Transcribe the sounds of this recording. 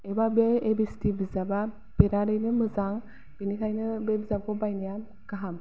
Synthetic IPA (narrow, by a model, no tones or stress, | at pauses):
ebabeebistibizaba | beɾaɾɯjnɯmɯzaŋ | b̥enikʰajnɯbebzakʰɔbajnija | kaɦam